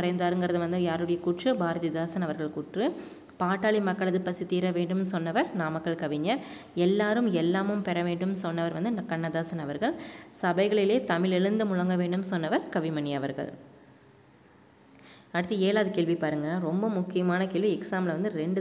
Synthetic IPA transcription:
ɾɐɪnd̪aːɾɯŋɡɪɾɐðɯʋɐnd̪ɯjaːɾɯɽɐjɐkuʈrɯbaːɾɐðid̪aːsɐnɐʋɐɾɣɐɭkuːʈrɯ | paːʈːaːɭimɐkːɐɭɐðɯpɐsit̪ːiːɾɐʋeːɳɖɯmsɔnːɐʋɐɾnaːmɐkːɐɭkɐʋɪɲːɐɾ | ɛlːaːɾɯmɛlːaːmɯmpɛɾɐʋeːɳɖɯmnsɔnːɐʋɐɾʋɐnd̪ɯnkɐɳːɐd̪aːsɐnɐʋɐɾɣɐɭsɐbɐɪɣɐɭɪleːt̪ɐmɪɭɛɻɯnd̪ɯmʊɻɐŋɡɐʋeːɳɖɯmsɔnːɐʋɐɾkɐʋɪmɐnɪjɐʋɐ̰ɾɣɐ̰ɭ | ɐɽɯt̪ːɯeːlaːðɯkeːɭʋipaːɾɯŋɡɐɾɔmbɐmʊkːɪjɐmaːnɐkeːɭʋiɛksaːmlɐʋɐnd̪ɯɾɛɳɖɯ

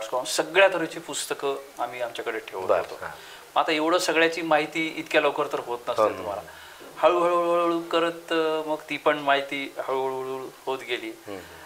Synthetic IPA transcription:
skɾɔmsəɡɭjat̪ʰəɾət͡ɕiːpust̪əkəam̤iːamt͡ɕjakəɽeʈʰeʋ̪a̰t̪o̰ | məat̪aeʋɽ̤əsəɡɭjat͡ɕiːmaɦit̪iːit̪kjaləʋkəɾt̪əɾɦot̪nəsət̪um̤ala | haɭuːɦəɭəɭəɭuɭukəɾət̪məɡt̪ipəɳmaɦit̪iːhaɭuɦəɭəɭuɭhot̪ɡeliː

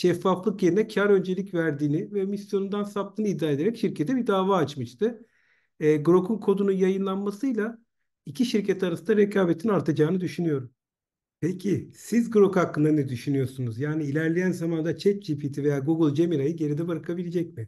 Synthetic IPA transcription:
ʃɛfːaflˠɯkjeɾinɛcʰaɾø̞nd͡ʒe̞lʲicvæɾd̪iːnɪvɛmisjo̞nund̪ansap̚t̪ʰɯːnɯid̪ːaːe̞d̪e̞ɾɛcʃiɾcʰet̪ʰɛbiɾd̪aːvaːt͡ʃmɯʃt̪ʰɯ | ɛːɡɾo̞kʰunkʰo̞d̪ununjajɯnlˠanmasɯjlˠa | icʰiʃiɾcʰɛt̪ʰaɾasɯnd̪aɾecʰaːbet̪ʰinaɾt̪ʰad͡ʒaːɯnɯd̪yʃynyjo̞ɾum | pʰecʰisizɡɾo̞khakːɯnd̪anɛd̪yʃynyjo̞ɾsunuzjaːniːlʲæɾlʲejænzamand̪at͡ʃʰɛt͡ʃ̚d͡ʒipʰit̪ʰive̞jaːɡuɡɯlˠd͡ʒemiɾajɯɟe̞ɾid̪ɛbaɾkʰabilʲed͡ʒɛcmɪ

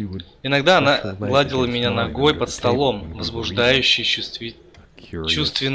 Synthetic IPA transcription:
ɪnɐɡd̪aɐnalˠadʲɪlˠəmʲɪnʲanɐɡo̞jpət̪st̪ɐlˠo̞mvəzbʊʐd̪ajʉɕːɪj | t͡ɕust̪vʲɪn

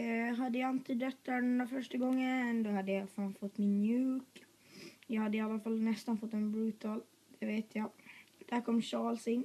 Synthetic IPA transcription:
ɦad̪ːəjaɪnt̪əd̪œt̪ːaɖɛnd̪afœʂʈaɡɔŋːənd̪ɔhad̪ːəjafaːnfɔt̪ːmɪnːjʉ̟ːk | jɑːɡhad̪ːəɪalːafalːnɛst̪anfɔt̪ːɛnbɾʉ̟ːt̪al | d̪̥ɛveːt̪ʰjɑd̪̥ʰakʰːɔmːɕɑːlsɪn

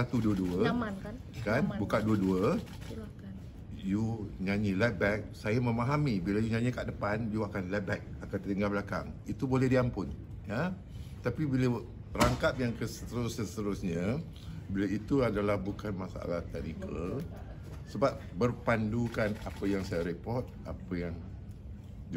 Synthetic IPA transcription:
sat̪uduəduə | kanbukanduəduə | juɲãɲĩlɛt̚bɛk̚sajamə̃maɦamibilajuɲãɲĩkaʔdəpanjuakanlɛt̚bɛk̚akant̪ət̪iŋɡalbəlaka̰ŋit̪ubolɛhdiampʊn | ja | t̪apibila | ɾaŋkap̚jaŋkəsət̪əɾʊsəst̪əɾusɲa | bilait̪uadalahbukanmasaa̰laht̪ɛk̚nikəl | səbap̚bərpandukanapəjaŋsajaɾepɔrt̪̚ʔapəjaŋ

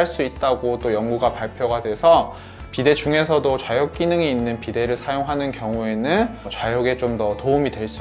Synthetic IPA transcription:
ɭs͈uit̚t͈aɡot͈ojʌŋɡuɡapaɭpʰjoɡadwe̞sʰʌ | pide̞d͡ʑuŋe̞sʰʌdot͡ɕwajʌk͈̚inɯŋiinːɯnpide̞ɾɯɭsʰajoŋɦanɯnkjʌŋue̞nɯnt͡ɕwajʌɡe̞t͡ɕomdʌtoumidwe̞ɭs͈u

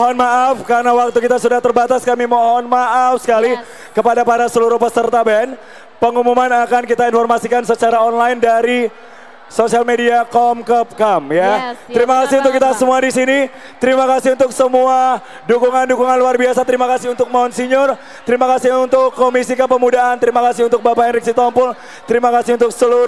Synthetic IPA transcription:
ɔɦɔnmaʔafkarnawak̚t̪ukit̪asudaht̪ərbat̪askamimɔɦɔnmaʔafsə̥kali | kəpadapaɾasəluɾuhpəsərt̪abɛn | pəŋumumanakankit̪ainfɔrmasikansət͡ʃaɾaɔnlajndaɾi | sosialmediakɔmkɔp̚kɔmjat̪əɾimakasiunt̪ʊkːit̪asəmuadisini | t̪əɾimakasiunt̪ʊksəmua | dukuŋandukuŋanluarbiasat̪əɾimakasiunt̪ʊk̚maunsiɲʊr | t̪əɾimakasiunt̪ʊkːomisikəpəmudaant̪əɾimakasiunt̪ʊk̚bapaɛnriksit̪ɔmpʊl | t̪əɾimakasiunt̪ʊksəlu

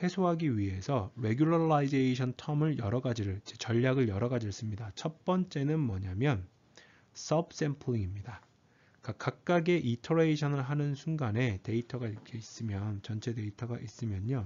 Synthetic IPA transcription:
he̞sʰoɦaɡiɥiɦe̞sʰʌɾe̞ɡjuɭʌɾaid͡ʑe̞iɕʰʌntʰʌmɯɭjʌɾʌɡad͡ʑiɾɯɭd͡ʑet͡ɕʌʎːaɡɯɭjʌɾʌɡad͡ʑiɭs͈ɯmɲidat͡ɕʰʌt̚p͈ʌnt͡ɕ͈e̞nɯnmʌɲamjʌn | s͈ʌbs͈e̞mpʰuiŋimɲida | kak͈ak̚k͈aɡe̞ʔitʰoɾeiɕʰʌnɯɭɦanɯnsʰuŋɡane̞te̞itʰʌɡaiɾʌkʰe̞is͈ɯmjʌnt͡ɕʌnt͡ɕʰe̞de̞itʰʌɡaʔis͈ɯmjʌɲo

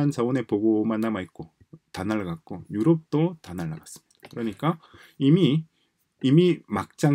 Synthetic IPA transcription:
ant͡ɕaone̞poɡomanːamait̚k͈o | tanaɭːaɡat̚k͈ojuɾʌp̚t͈otanaɭːa̰ɡas͈ɯ̥mɲid̥ḁkɯɾʌɲik͈a | imiː | mimak̚t͡ɕ͈a

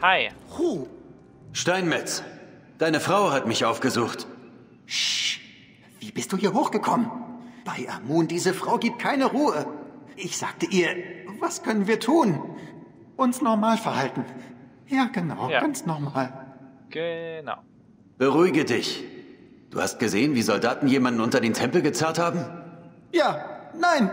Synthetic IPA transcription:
haɪʁuː | ʃtaɪnmɛt͡s | d̥aɪnəfʁ̥aʊhatmɪçʔaʊfɡ̥əzuːxt | v̥iːbɪstd̥uːhiːɐɦoːxɡ̥əkʰɔmənb̥aɪʔamuːndiːzəfʁ̥aʊɡiːp̚t̚kʰaɪnəʁuːəʔɪçz̥aːk̚təʔiːɐvaskʰœnənviːɐtʰuːn | ʔʊnsnɔʁmaːlfɛɐhaltn̩ | jaːɡ̥ənaʊɡ̥ant͡snɔʁmaːl | ɡ̥əna̰ | b̥əʁuɪɡədɪç | d̥ṵːha̰st̚ɡ̥əzeːənviːzɔldaːtn̩jeːmandn̩ʔʊntɐdeːntʰɛmpl̩ɡət͡sɛɐthaːbm̩ | jaːnaɪn

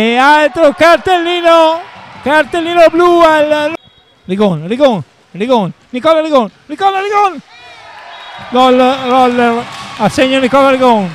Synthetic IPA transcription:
ealt̪ɾokaɾt̪elːiːnokaɾt̪elːiːnoblualn | riɣonriɣon | riɣon | nikɔlaɾiɣonnikɔlaɾiɣon | ɡɔlrɔleaseɲonikɔlaɾiɣon

